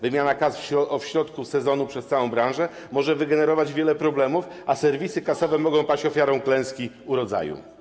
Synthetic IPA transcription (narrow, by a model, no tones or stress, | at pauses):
vɘmʲjanakasfɔɔfɕɾɔt̪kusɛzɔnupʂɛst̪sawɔ̃w̃bɾãwʐɛ | mɔʐɛvɘɡɛnɛɾɔvad͡ʑvʲjɛlɛpɾɔblɛmufʔasɛɾvʲisɘkasɔvɛmɔɡɔ̃w̃pat͡ɕɔfʲjaɾɔ̃w̃klɛ̃w̃skʲi | uɾɔd̪za̰jṵ